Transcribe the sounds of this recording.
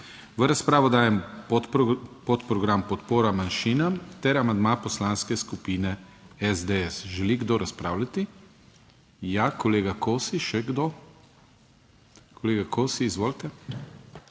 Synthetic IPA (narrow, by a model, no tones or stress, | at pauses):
ʋəɾaspɾaːʋɔd̪aːjɛmopot̪pɾɔɡɾampɔt̪poːɾamanʃiːnamt̪ɛɾamand̪mapɔslanskɛskupiːnɛɛzd̪eɛsʒɛliɡd̪oɾaspɾaːwlʲat̪i | jakɔleːɡakoːsiʃɛɡd̪o | kʰɔleːɡakʰosiːzʋoːlt̪ɛ